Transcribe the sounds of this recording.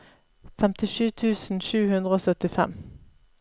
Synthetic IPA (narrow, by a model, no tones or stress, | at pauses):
fɛmt̪ɪʃʉːt̪ʰʉːsn̩ʃʉːhʉnd̪ʁəoːsœt̪ɪfɛ̰m